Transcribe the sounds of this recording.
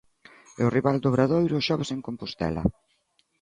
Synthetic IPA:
eʊriβald̪oβɾaðojɾoʃɔβeseŋkompost̪ɛ̰lɐ̰

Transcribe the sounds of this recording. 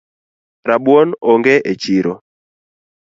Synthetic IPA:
ɾabwonɔŋɡeʔet͡ʃiɾo

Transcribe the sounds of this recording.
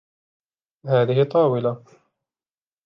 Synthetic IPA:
haːðɪɦɪt̪ˤːɑːwɪla

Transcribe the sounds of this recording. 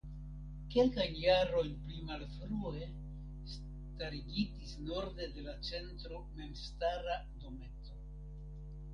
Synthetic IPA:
ke̞lkajnjaɾo̞jnplimalfɾue̞ | s | taɾiɡitisno̞ɾde̞de̞lat͡se̞ntɾo̞me̞mstaɾa | do̞me̞to̞

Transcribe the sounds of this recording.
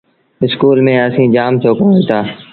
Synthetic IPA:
ɪskuːlmẽːəsĩːd͡ʒaːmsoːkõiːt̪aː

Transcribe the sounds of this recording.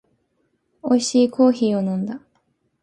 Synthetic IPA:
o̞iɕiːkʰo̞ːçiːo̞nõ̞nd̪a

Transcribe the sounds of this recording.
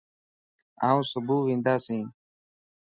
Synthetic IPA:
a̰ːũːsʊbʱuːʋĩːnd̪aːsĩː

